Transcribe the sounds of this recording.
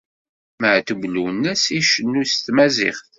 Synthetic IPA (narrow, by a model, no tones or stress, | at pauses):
məʕt̪əvlunːæsiʃənːust̪mæzɪ̰χθ